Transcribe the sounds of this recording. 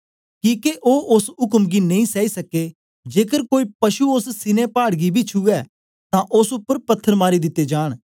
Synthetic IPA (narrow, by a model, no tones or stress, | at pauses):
kĩːkeʔoːʔʊsɦʊkəmɡinɐ̃ĩsɛːisɐke | d͡ʒeːkəɾkoːipɐʃuossɪnẽpaːɽɡibʱit͡ʃʰuɛː | t̪ãʔʊsʊpːəɾpɐt̪ʰːəɾmaːɾid̪ɪt̪ːed͡ʒaːɽ̃